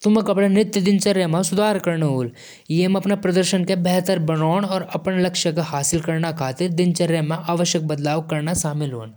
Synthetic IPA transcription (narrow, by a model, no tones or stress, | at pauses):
t̪ʊmɐkɐpɽanɾɪt̪jəd̪ɪnt͡ʃɐɾjəmẽsʊd̪ʱaːɾkɐɾnɦuːl | jemɐpnapɾɐd̪əɾʃənkebɛɦt̪əɾbɐnoːñɔːɾɐpənlɐkʃəkahaːsɪlkɐɾnakʰaːt̪ɪɾd̪ɪnt͡ʃɐɾjəmẽaːʋəʃjək̚bɐd̪laːʋkɐɾnaʃaːmɪlɦoːn